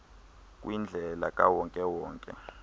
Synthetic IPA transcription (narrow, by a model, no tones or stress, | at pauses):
k̬ʼwind͡ɮʱɛla̰kʼawɔŋkʼɛwɔːŋkʼɛ̰